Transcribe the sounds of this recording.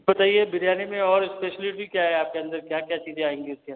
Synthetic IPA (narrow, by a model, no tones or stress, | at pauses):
bɐt̪aːiebɪɾjaːnemẽɔːɾɪspeːʃəlɪʈikjaɦɛaːp̚keɐ̃nd̪əɾkjaːkjat͡ʃiːzẽaːɦẽːŋɡiʊskeɐnd̪ə